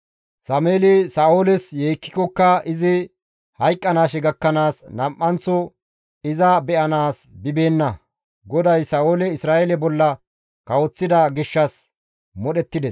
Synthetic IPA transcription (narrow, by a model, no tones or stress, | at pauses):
sɐmeːlɪsaːʔoːlɛsjeːkːɪ̥kɔkːɐɪzɪ | hɐjkʼːɐnaːʃɛɡɐkːɐnaːsnɐmʔːɐnt͡sːɔ | ɪzɐbɛʔɐnaːsbɪbeːnːɐ | ɡɔd̪ɐjsaːoːlɛɪsɾaːeɛlɛbɔlːɐ | kɐwɔt͡sːɪd̪ɐɡɪʃːɐs | mɔɗɛt̪ːɪd̪ɛs